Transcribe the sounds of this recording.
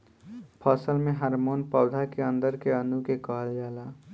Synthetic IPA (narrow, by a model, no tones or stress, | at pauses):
pʰəsəlmẽɦaɾmonpəʊd̪ʱakeənd̪əɾkeənukekəɦəld͡ʒaːla